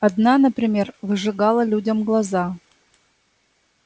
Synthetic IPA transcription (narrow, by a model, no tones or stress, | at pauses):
ɐd̪nanəpɾʲɪmʲervɨʐɨɡalˠəlʲudʲɐmɡlˠɐza